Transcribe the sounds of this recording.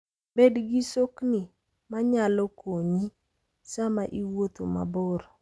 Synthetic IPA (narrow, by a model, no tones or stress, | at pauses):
bedɡisoknɪ | maɲalɔkoɲi | samaʔiwot̪oma̰bɔɾ